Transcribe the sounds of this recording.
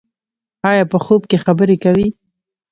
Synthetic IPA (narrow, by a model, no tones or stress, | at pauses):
ɑjɑpəxobkexabəɾekawi